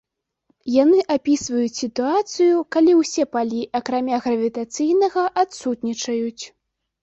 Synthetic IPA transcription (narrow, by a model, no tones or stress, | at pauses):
janɨʔapʲisvɐjut͡sʲsʲit̪uat̪sɨjukalʲiwsʲɛpalʲiʔɐkɾamʲaɣɾɐvʲit̪at̪sɨjnɐɣɐʔat̪sut̪nʲit͡ʂɐjut͡sʲ